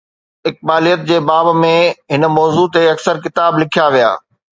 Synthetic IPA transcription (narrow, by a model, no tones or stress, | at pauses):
ɪk̚baːlijət̪̚d͡ʑeːbaːbmẽɦɪnmɔːzut̪eɐksəɾkɪt̪aːblɪkʰijaʋija̰ː